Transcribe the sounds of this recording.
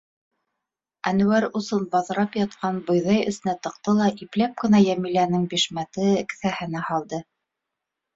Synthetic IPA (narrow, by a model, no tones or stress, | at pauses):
ænŭwæɾusɤnbɑðɤ̆ɾɑpjɑt̪qɑnbɤ̆jðɑjɘ̰̆sɘ̆næt̪ɤ̆qt̪ɤlˠɑʔiplæp̚kɘ̆næjæmilænɘŋbiʃmæt̪ɘɘ̆kθæhɘ̆næhɑlˠd̪ɤ